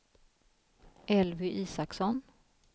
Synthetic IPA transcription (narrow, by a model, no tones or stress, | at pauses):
ʔɛlvʏʔiːsaksɔn